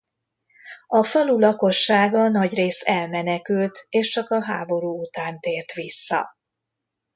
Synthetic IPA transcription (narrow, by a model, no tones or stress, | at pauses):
ɒfɒlulɒko̞ʃːaːɡɒnɒɟreːst̪ɛlmɛnɛkylt̪eːʃt͡ʃɒkɒɦaːbo̞ɾuːut̪aːnt̪eːrt̪ʋisːɒ̰